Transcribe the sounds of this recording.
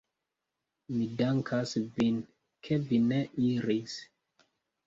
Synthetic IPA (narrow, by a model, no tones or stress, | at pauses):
midaŋkʰasvin | kʰevineʔiɾis